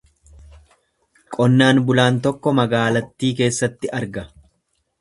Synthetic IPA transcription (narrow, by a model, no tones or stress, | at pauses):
kʼɔnːaːnbʊlaːnt̪ɔkːɔmɐɡaːlɐt̪ːiːke̞ːsːɐt̪ːɪʔɐɾɡɐ